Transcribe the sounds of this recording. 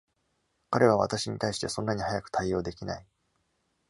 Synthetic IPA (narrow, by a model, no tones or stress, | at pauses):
kaɾe̞β̞aβ̞a̰t̪aɕiɲ̟it̪aiɕi̥t̪esõ̞nːaɲ̟ihajakɯ̟̥t̪aio̞ːd̪e̞kʲinai